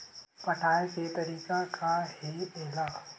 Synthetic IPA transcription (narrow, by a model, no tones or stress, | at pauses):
pɐʈʰaːeket̪ɐɾiːkakʰaɦieːlaː